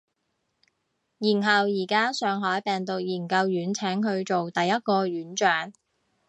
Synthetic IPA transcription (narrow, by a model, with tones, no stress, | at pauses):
jiː˨˩nɦɐ˨wjiː˨˩kaː˥sœː˨˧ŋɦɔː˨˥jpɛː˨ŋt̪ʊ˨k̚jiː˨˩nkɐ˧wjyː˨˥nt͡sʰɛː˨˥ŋɦɵ˧ɥt͡ʃo˨wt̪ɐ˨jːɐ˥t̚kɔː˧jyː˨˥nt͡ʃœː˨˥ŋ